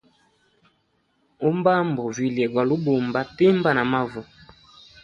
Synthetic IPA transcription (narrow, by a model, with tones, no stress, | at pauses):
o˦m˦ba˦m˨bo˨vi˨li˨ɛ˨ɡa˨lu˦bo˨m˨ba˦te˦m˦ba˦na˨ma˦vu˨